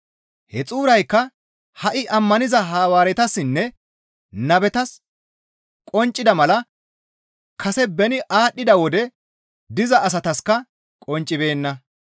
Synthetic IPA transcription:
hɛt͡sʼuːɾɐjkːɐ | hɐʔɪʔɐmːɐnɪzɐɦaːwaːɾɛt̪ɐsɪnːɛ | nɐbɛt̪ɐs | kʼɔnt͡ʃʼːɪd̪ɐmɐlɐ | kʰɐsɛbɛnɪʔaːɗːɪd̪ɐwɔd̪ɛ | d̪ɪzɐʔːs̬ɐt̪ɐskːɐ | kʼɔnt͡ʃʼːɪbe̞ːnːɐ

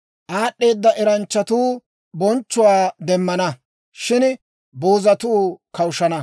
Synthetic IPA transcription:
ʔaːɗːe̞ːd̪ːɐʔɛɾɐnt͡ʃːɐt̪uː | bɔnt͡ʃːʊwaːd̪ɛmːɐnɐ | ʃɪn | boːzɐt̪uːkɐwʃɐnɐ

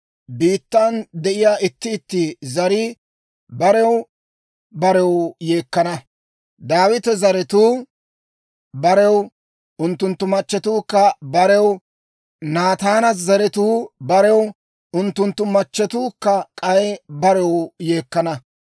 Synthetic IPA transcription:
biːt̪ːɐnd̪ɛʔɪjaːɪt̪ːɪːt̪ːɪzɐɾɪ | bɐɾɛw | bɐɾɛwje̞ːkːɐnɐ | d̪aːwɪt̪ɛzɐɾɛt̪uː | bɐɾɛw | ʔʊnt̪ːʊnt̪ːʊmɐt͡ʃːɛt̪uːkːɐbɐɾɛw | naːt̪aːnɐzɐɾɛt̪uːbɐɾɛw | ʔʊnt̪ːʊnt̪ːʊmɐt͡ʃːɛt̪uːkːɐkʼɐjbɐɾɛwje̞ːkːɐnɐ

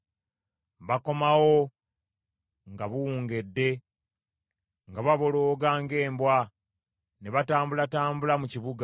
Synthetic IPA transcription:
βako̞mawo | ŋɡaβuwuːŋɡe̞dːe̞ | ŋɡaβaβo̞loːɡaːŋɡe̞ːmbwa | neβataːmbulataːmbulamuciβuɡa

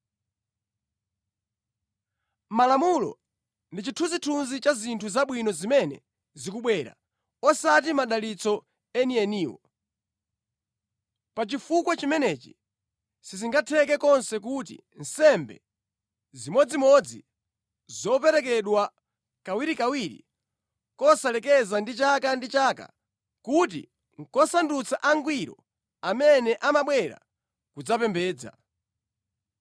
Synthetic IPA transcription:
malamulɔ̰ | ndit͡ʃitʰuzitʰunzit͡ʃazintʰuzaɓwinɔzimɛnɛ̰ | zikuɓwɛɾa̰ | ɔsat̬imaɗalit͡sɔ | ɛniɛniːwɔ̰ | pat͡ʃifukwat͡ʃimɛnɛt͡ʃi̥̰ | siziŋɡatʰɛk̬ɛkɔnsɛkut̬ḭ | n̩sɛmbɛ̰ | zimɔd͡zimɔd͡zi | zɔp̬ɛɾɛk̬ɛɗwa | kawiɾikawiɾḭ | kɔsalɛkɛzandit͡ʃakandit͡ʃaːka̰ | kut̬ḭ | ŋkɔsandut͡saʔaŋɡwiɾɔ̰ | amɛnɛʔamaɓwɛɾa̰ | kud͡zapɛmbɛːd͡za̰

